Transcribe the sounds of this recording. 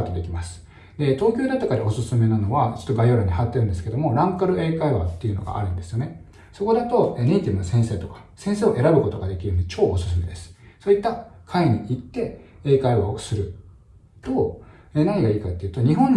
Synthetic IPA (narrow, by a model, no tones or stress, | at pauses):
t̪ːod̪e̞kʲimasɨ̥ | d̪e̞t̪o̞ːkʲo̞ːd̪at̪ːakaɾao̞sɨsɨme̞nano̞βat͡ɕo̥t̪ːoɡajo̞ɾaɲ̟iɦat̪ːe̞ɾɯ̃nd̪esɨ̥ke̞d̪o̞mo̞ɾãŋkaɾɯ̟ʔe̞ːkaiβa̰t̪ːe̞iɯ̟noɡa̰ʔa̰ɾɯ̟̃nd̪e̞sɨjo̞ne | so̞ko̞d̪at̪o̞ene̞it̪ʲibɯ̟nosẽɰ̃se̞ːt̪o̞kḁsẽɰ̃seːo̞ʔe̞ɾabɯ̟ko̞t̪o̞ɡad̪e̞kʲiɾɯ̟joɲ̟it͡ɕo̞ːosɨsɨme̞̰d̪e̞sɨ̥soːit̪ːakʰaiɲ̟iʔit̪ːe̞e̞ːkaiasɨɾɯ̟ | t̪o̞ː | eːnaɲ̟ʲiɡaiːkat̪ːeiɯ̟t̪oɲ̟iɦõ̞nː